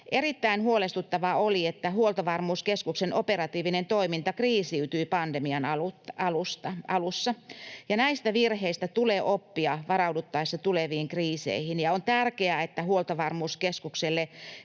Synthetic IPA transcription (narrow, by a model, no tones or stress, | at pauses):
ʔerit̪ːæinhuolest̪ut̪ːɑʋɑoliet̪ːæhuolt̪ɑʋɑrmuːskeskuksenʔoperɑt̪iːʋinent̪oimint̪ɑkriːsiyt̪yipɑndemiɑnɑluɑlust̪ɑɑlusːɑjɑnæist̪æʋirheist̪æt̪uleːʔopːiɑʋɑrɑudut̪ːɑisːɑt̪uleʋiːŋkriːsḛihinjɑont̪ærkeæet̪ːæhuolt̪ɑʋɑrmuːskeskukselːe